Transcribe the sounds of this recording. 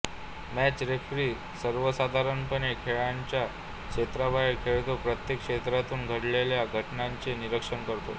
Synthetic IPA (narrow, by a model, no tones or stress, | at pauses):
mæt͡ɕɾekʰɾiː | səɾʋəsad̪ʱaɾənpənekʰeɭaɲt͡ɕja | kʂet̪ɾabʱajkʰeɭt̪opɾət̪jekʂet̪ɾat̪uːnɡʱəɽleljaɡʱəʈnaɲt͡seniɾəkʂənkəɾt̪o̰